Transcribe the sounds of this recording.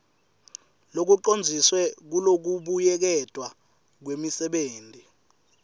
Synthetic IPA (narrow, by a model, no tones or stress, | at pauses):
lok̬uǃond͡zʱiswɛk̬ulok̬uɓujɛk̬ɛtʼwa | k̬wemisɛɓeːndʱi